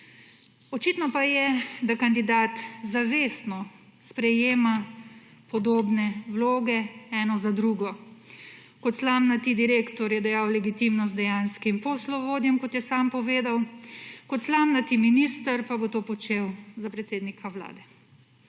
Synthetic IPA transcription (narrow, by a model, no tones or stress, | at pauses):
ɔt͡ʃiːt̪nɔpajɛd̪akand̪id̪aːt̪zaʋeːst̪nɔ | spɾɛjeːma | pɔd̪oːbnɛwloːɡɛɛːnɔzad̪ɾuːɡɔ | kɔt̪slamnat̪id̪iɾeːkt̪ɔɾjɛd̪ɛjaːwlɛɡit̪imnɔsd̪ɛjanskimpɔslɔʋoːd̪jɛmkɔt̪jɛsaːmpɔʋeːd̪awkɔt̪slamnat̪iminist̪əɾpabot̪oːpɔt͡ʃewzapɾɛt̪seːd̪nikʰawla̰ːd̪ɛ